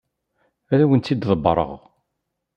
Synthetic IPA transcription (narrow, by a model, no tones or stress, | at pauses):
æɾæwənt̪ːid̪ðˤəbːɾˤə̰ʁ